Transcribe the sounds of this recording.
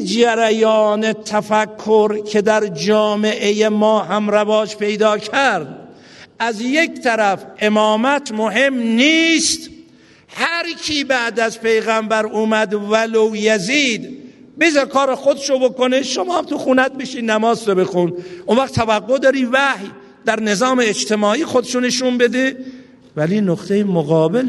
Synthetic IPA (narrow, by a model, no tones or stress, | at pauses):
d͡ʒæɾæjɒːnet̪ʰæfækʰːoɾkʰe̞d̪æɾd͡ʒɒːme̞ʔejemɒːɦæmɾævɒːd͡ʒpʰe̞jd̪ɒːkʰæɾɾd̪ | ʔæzjekt̪ʰæɾæfʔe̞mɒːmæt̪ʰmoɦe̞mniːst̪ | hæɾkʰiːbæʔd̪æzpʰe̞jɣæmbæɾʔuːmæd̪vælowjæziːd̪ | bezɒɾkʰɒːɾexod̪eʃobokoneʃomɒːæmt̪uxuːnæt̪̚beʃiːd̪næmɒːzɾobe̞xunʔonvæχt̪ʰævæɡːod̪ɒːɾiːvæhj | d̪̥æɾne̞zɒːmeːd͡ʒt̪ʰe̞mɒːʔiːxod̪eʃoneʃunbe̞d̪e | væliːnoqt̪ʰejemoɣɒːbel